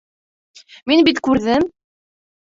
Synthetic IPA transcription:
minbit̪kʉɾðɘm

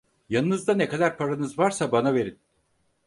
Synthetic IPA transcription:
janɯnɯzd̪anekʰad̪aɾpʰaɾanɯzvaɾsabanave̞ɾin

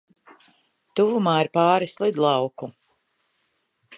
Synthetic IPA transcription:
t̪uvumaːiɾpɑːɾislˠid̪lˠɑwku

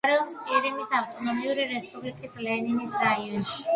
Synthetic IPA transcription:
ɾɛɔmspʼiɾimisaft̪ʼɔnɔmiuɾiɾɛspʼublikʼislɛninisɾaiɔnʃi̥

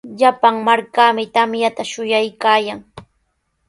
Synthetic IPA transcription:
ʎapaŋmaɾkamɪt̪amjat̪aʃʊjajkaːjaŋ

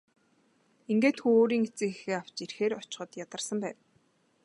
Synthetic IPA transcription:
iŋɡeːt̪xuoːɾiːŋet͡sɘ̆ŋixeːaw̥t͡ɕirxeːɾɔt͡ɕɪ̥̆χɞ̆t̪jat̪ə̆rsə̆mpæːn

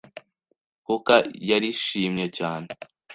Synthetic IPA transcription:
hukajaɾiʃiːmɲecaːne

